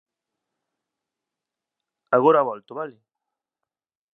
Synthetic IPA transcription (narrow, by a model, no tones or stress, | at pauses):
aɣoɾaβɔlt̪oβale